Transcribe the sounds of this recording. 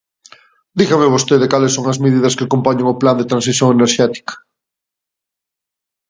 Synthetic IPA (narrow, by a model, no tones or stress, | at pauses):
d̪iɣameβost̪eðekalesːoŋɐzmeðiðɐskɪakompaɲeŋʊpland̪et̪ɾãns̬iθjoŋeneɾʃɛt̪i̥kɐ̥